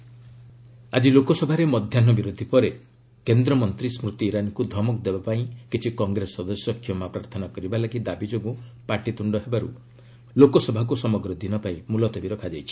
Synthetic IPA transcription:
a̰d͡ʒilokɔsɔbʱaɾemɔd̪ʱjanɔbiɾod̪ʱipɔɾe | kend̪ɾɔmɔnt̪ɾismɾut̪iːɾankud̪ʱɔmɔkd̪ebapaĩkit͡ʃʰikɔŋɡɾesɔd̪ɔsjɔkʰːjɔmapɾaɾt̪ʰɔnakɔɾibalakid̪abid͡ʒoɡupaʈit̪uɳɖɔɦebaɾṵ | lokɔsɔbʱak̬usɔmɔɡɾɔd̪inɔpaĩmulɔt̪ɔbiɾɔkʰad͡ʒajt͡ʃʰi̥

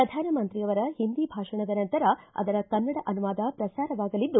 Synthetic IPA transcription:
ɾɐd̪ʱaːnɐmɐnt̪ɾijɐʋɐɾɐhind̪ibʱaːʂɐɳ̃ɐd̪ɐnɐnt̪ɐɾɐɐ̰d̪ɐɾɐkɐnːɐɽɐʔɐnuʋaːd̪apɾɐsaːɾɐʋaːɡɐlid̪ːu

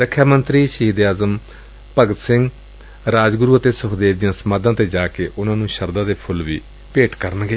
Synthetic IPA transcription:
ɾəkʰːjaːmənt̪ɾiːʃəɦd̪jaːzəm | pəɡət̪sɪ̃ŋɡ | ɾaːd͡ʒɡʊɾuːət̪eːsʊkʰd̪eːd̪ɪjãːsəmaːd̪ãːt̪eːd͡ʒaːkeːʔʊnãːnũːʃəɾd̪ãːd̪eːpʰʊlʋḭː | peːʈkəɾənɡeː

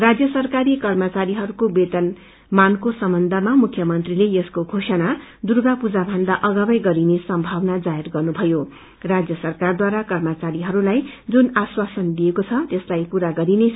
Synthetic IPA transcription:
rad͡zjʌsʌrkaɾikʌrmʌt͡saɾiɦʌɾukobet̪ʌn | mankosʌmbʌnd̪ʱʌmamukʰjʌmʌnt̪rilejeskoɡʱosʌna | d̪urbapud͡zabʱʌnd̪aʔʌɡʌbʌjɡʌɾinesʌmbʱawnad͡zaerɡʌrnubʱʌjo | rad͡zjʌsʌrkard̪waɾakʌrmʌt͡saɾiɦʌɾulajd͡zunaswasʌnliekot͡sʰʌt̪eslajpuɾaɡʌɾine

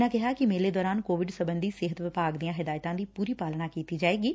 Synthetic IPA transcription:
nãkɪɦaːkɪmeːleːd̪ɔːɾaːnkoːʋɪɖsəbənd̪iːsɪɦət̪ʋɪpaːɡd̪ijãːɦɪd̪aːjt̪ãːd̪iːpuːɾiːpaːlnaːkiːt̪iːd͡ʒaːeːɡiː

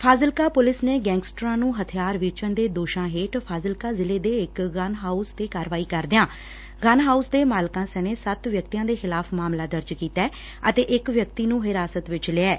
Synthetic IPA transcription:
pʰaːzəlkaːpʊlɪsneːɡɛ̃ːŋɡsʈɾãːnũːɦət̪ʰɪjaːɾʋiːt͡ʃənd̪eːd̪oːʃãːɦeːʈpʰaːzəlkaːzɪleːd̪eːɪkɡənɦaːust̪eːkaːɾʋaːiːkəɾd̪ɪãː | ɡənɦaːusd̪eːmaːlkãːsɛneːsət̪ʋjək̚t̪ijãːd̪eːxɪlaːpʰmaːmlaːd̪əɾd͡ʒkiːt̪ɛː | ət̪eːʔɪkʋjəkt̪iːnũːɦɪɾaːsət̪ʋɪt͡ʃleːɛː

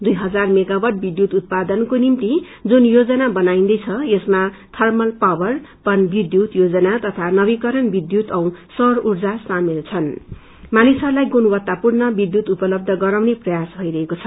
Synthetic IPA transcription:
d̪ujɦʌd͡zarmeɡawaɖ̚bid̪jut̪ut̪̚pad̪ʌnkonint̪i | d͡zunjod͡zʌnabʌnaĩnd̪ʌjt͡sʰʌjesmat̪ʰʌrmʌlpawʌrpʌnbid̪jut̪jod͡zʌnat̪ʌt̪ʰanʌbikʌɾʌnbid̪jut̪ʌw̃sʌrurd͡zasamilt͡sʰʌn | manisʌrlajkonuwʌt̪ːapurnʌbid̪jut̪upʌlʌb̚d̪ʱʌɡʌɾawneprʌjasbʱʌiɾʌɦekot͡sʰʌ

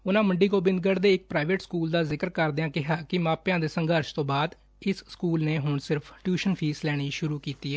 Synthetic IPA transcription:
ʊnãːməɳɖiːkoːbɪnd̪̚ɡəɽd̪eːɪk̚pɾaːɪʋeʈskuːld̪aːzɪkəɾkəɾd̪eãːkɪɦaːkɪmãːpjãːd̪eːsəŋɡʱəɾʃt̪õːbaːd̪ | ɪsskuːlneːɦʊɳsɪɾpʰʈjuːʃənpʰiːslɛːɽ̃iːʃʊɾuːkiːt̪iːɛː

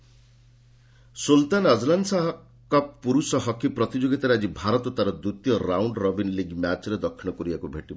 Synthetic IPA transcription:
sult̪anad͡ʒlansaɦ | kappːuɾusɔɦɔkʰːipɾɔt̪id͡ʒoɡit̪aɾead͡ʒibʱaɾɔt̪ɔt̪aɾɔd̪ut̪jɔɾawɳɖɾɔbinliɡmat͡ʃɾed̪ɔkʰːinɔkɔɾibakubʱeʈib

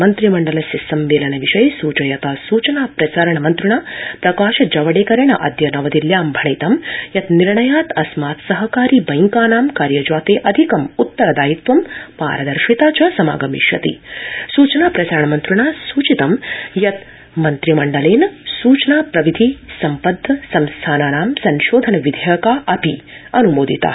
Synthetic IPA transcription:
ɐnt̪ɾimɐɳɖɐlɐsɐsɐmʋeːlɐnɐʋiʃɐjesuːt͡ʃɐjɐt̪aːsuːt͡ʃɐnaːpɾɐsaːɾɐɳɐmɐnt̪ɾuɳaːpɾɐkaːʃɐd͡ʒɐʋɐɽeːkɐɾɐɳɐʔɐd̪jɐnɐʋɐd̪iljaːmbʱɐɳɐjt̪ɐmjɐt̪niɾɳɐjaːt̪ɐsmaːt̪sɐɦɐkaːɾibɐjŋkaːnaːmkaːɾjɐd͡ʒʋaːt̪eːʔɐd̪ʱikɐmut̪ːɐɾɐd̪aːjit̪ʋɐmpa̰ːɾɐd̪ɐɾʃit̪aːt͡ʃɐsɐma̰ːɡɐmḭʃʋɐ̰t̪ḭsuːt͡ʃɐnaːpɾɐsɐɾɐɳɐmɐnt̪ɾuɳaːsuːt͡ʃit̪ɐmjɐt̪ | mɐnt̪ɾimɐɳɖɐleːnsuːt͡ʃɐnaːpɾɐʋid̪ʱisɐmpɐd̪ʱːɐsɐmst̪ʰaːnaːnaːmsɐnʃoːd̪ʱɐnɐʋid̪ʱejɐkaːɐpiɐnumoːd̪ʱit̪a̰ː

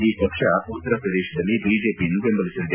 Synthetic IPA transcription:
ikɐkʂɐut̪ːɐɾɐpɾɐd̪ɛːʃɐd̪ɐlːibiːd͡ʒeːpinːubembɐlisɐd̪

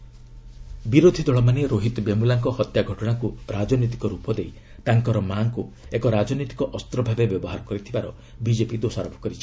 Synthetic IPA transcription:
biɾod̪ʱid̪ɔɭɔmaneɾoɦit̪ɔbemulaŋkɔhɔt̪jaɡʱɔʈɔɽ̃akuɾad͡ʒɔnit̪̬i̥kɔɾupɔd̪ej | t̪aŋkɔɾɔmaŋku | ekɔɾad͡ʒɔnit̪i̥kɔʔɔst̪ɾɔbʱabebjɔbɔɦaɾɔkɔɾit̪ʰibaɾɔ | bid͡ʒepid̪osaɾɔbʱɔ̥kɔɾit͡ʃʰi̥

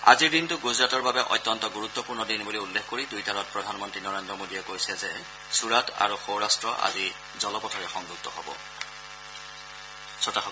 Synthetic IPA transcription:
a̰ziɹdintʊɡuzɹatɔɹbabɛʔɔ̰jt̪ːɔntɔɡuɹut̪ːɔpuɹnɔdinbuliulːekkoɹidujtaɹɔt̚pɹɔdʱanmɔntɹinɔɹendɹɔmodijɛkojsɛzɛ | suɹata̰ɹuxowɹastɹɔʔa̰zi | zɔlɔpɔtʰɔɹɛxɔŋzuɡ̚tɔɦɔbɔ̰ | sʰɔtaxɔ

